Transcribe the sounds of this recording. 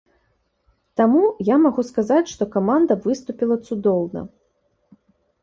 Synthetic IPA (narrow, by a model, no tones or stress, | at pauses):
t̪amujamaɣuskazat͡sʲʂt̪ɔkamand̪ɐvɨst̪upʲilˠɐt̪sud̪ɔwnɐ̰